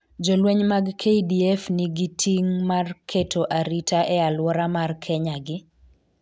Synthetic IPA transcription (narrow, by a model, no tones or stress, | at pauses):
d͡ʒɔlweɲmaɡkʰeidiɛfnɪɡitʰiŋmarkʰetʰoʔaɾitaʔɛalwɔɾamarkʰɛɲaɡɪ